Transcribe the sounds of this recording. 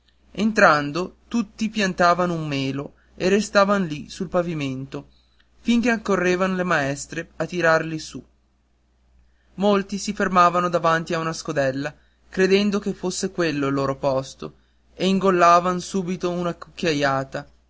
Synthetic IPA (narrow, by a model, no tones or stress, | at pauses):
ent̪ɾand̪ot̪ut̪ːipjant̪aːvanoumːeːlo | erest̪aːvanolisulpaviment̪o | fiŋk̟eakːorːeːvanolemaɛst̪ɾeat̪ːiɾarlisu | molt̪isifermaːvanod̪avant̪iaunaskod̪ɛlːa | kɾed̪ɛnd̪okefosːekwelːoilːoːɾopɔst̪o̰ | eiŋɡolːaːvansuːbit̪ounakukːjajaːt̪a